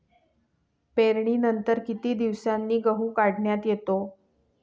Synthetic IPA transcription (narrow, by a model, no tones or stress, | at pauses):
peɾɳiːnənt̪əɾkit̪iːd̪iʋsanːiːɡəɦuːkaɽɳjat̪jet̪o